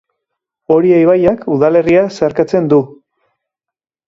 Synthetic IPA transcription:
o̞ɾiejβajakuðale̞riaseaɾkat͡se̞nd̪u

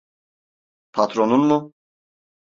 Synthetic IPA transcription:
pʰat̪ʰɾonunmu

